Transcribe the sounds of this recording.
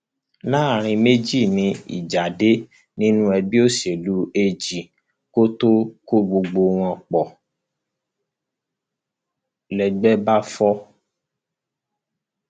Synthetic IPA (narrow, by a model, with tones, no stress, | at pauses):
nã˦˨ɾ̃ĩ˧me˦d͡ʒi˦˨nĩ˧ḭ˨d͡ʒa˨de˦ | nĩ˦nũ˦ɛ˧bi˦o˦se˨lu˦e˧d͡ʒi˨ | ko˦to˦ko˦ɡ͡bo˧ɡ͡bo˧w̃ɔ̃˧k͡pɔ˨ | lɛ˨ɡ͡bɛ˦ba˦fɔ˦